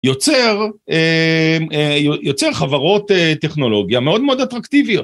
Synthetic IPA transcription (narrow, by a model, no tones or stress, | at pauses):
jot͡seʁe | ejojot͡seʁχavaʁo̞t̪eteχno̞lo̞ɡjame̞o̞d̪meo̞d̪at̪ʁakt̪ivijo̞t